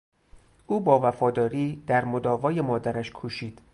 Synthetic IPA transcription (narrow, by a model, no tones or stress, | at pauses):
ʔuːbɒːvæfɒːd̪ɒːɾiːd̪̥æɾmod̪ɒːvɒːje̞mɒːd̪æɾæʃkʰuːʃiːd̪̥